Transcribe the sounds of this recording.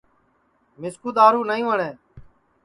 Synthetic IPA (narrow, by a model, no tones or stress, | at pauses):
mɪskuːd̪aːɾuːnəĩːʋəɳeː